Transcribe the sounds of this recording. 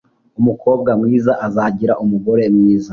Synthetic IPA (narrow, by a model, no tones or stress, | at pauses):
umuko̞ːb̚ɡamŋiːzaʔazaɟiɾaʔumuɡo̞ɾe̞mŋiːza